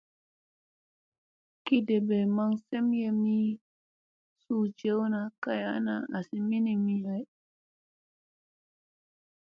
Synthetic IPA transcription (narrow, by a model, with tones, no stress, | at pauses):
ki˦de˨be˨ma˦ŋse˦mje˦mi˦ | su˦˨d͡ʒe˦wna˨ka˦ja˦na̰˦a˨si˦mi˦ni˨mi˦a˨j